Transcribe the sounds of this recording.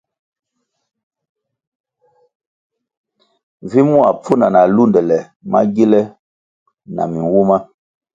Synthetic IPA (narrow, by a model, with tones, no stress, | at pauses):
vi˦mũ˦a˨p͡fu˦na˨na˨lu˦˨ndɛ˨lɛ˨ | ma̰˦ɡe˦lɛ˦ | na̰˨mi˨wu˦ma˦